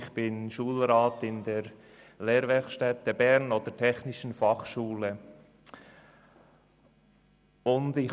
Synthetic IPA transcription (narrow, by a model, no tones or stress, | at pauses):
χb̥ɪnʃuːlɾaːtɪndɛːɾ | leːɾvɛɾkʃtɛtːəbɛɾnoːd̥ətʰɛçnɪʃn̩fɑχʃuːlə | ʊndɪ